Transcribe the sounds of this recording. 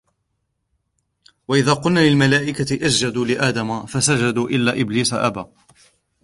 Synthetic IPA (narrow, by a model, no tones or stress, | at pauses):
waʔɪðaːqʊlnaːlɪlmalaːʔɪkat̪ɪʔasd͡ʒad̪uːlɪʔaːd̪amafasad͡ʒad̪uːʔɪlːaːʔɪbliːsa̰ʔa̰baː